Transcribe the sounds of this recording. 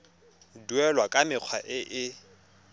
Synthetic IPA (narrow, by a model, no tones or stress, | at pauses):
dwɛlwakʼamɪq͡χʰwaʔɪʔɪ